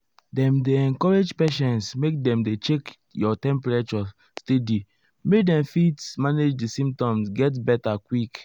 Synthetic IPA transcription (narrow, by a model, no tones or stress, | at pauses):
dɛ̃mdeɛ̃ŋkɔɹed͡ʒpɛʃɛ̃nsmek̚dɛ̃mdet͡ʃek | jɔtɛ̃mpɹet͡ʃɔ | stedi | mekdɛ̃mfitsmaned͡ʒdisĩm̚tɔ̃msɡɛt̬bɛtakwik